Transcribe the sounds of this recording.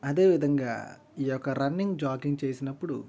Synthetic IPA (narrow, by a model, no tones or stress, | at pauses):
ɐd̪e̞ːʋid̪ʱɐŋɡa̰ː | iːjɔkːɐɾɐnːiŋɡd͡ʒaːkiŋɡt͡ʃe̞ːsinɐpːuɽṵ